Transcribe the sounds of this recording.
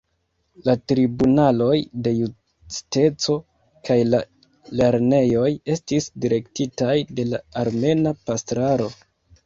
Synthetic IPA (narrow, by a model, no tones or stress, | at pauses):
latɾibunalo̞jde̞ju | ste̞t͡so̞ | kajla | le̞ɾne̞jo̞je̞stisdiɾe̞ktitajde̞laːɾme̞napastɾaɾo̞